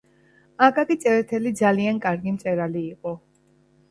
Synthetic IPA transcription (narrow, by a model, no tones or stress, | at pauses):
akʼakʼit̪sʼɛɾɛt̪ʰɛlid̪zaliankʼaɾɡimt̪sʼɛɾaliːqʼɔ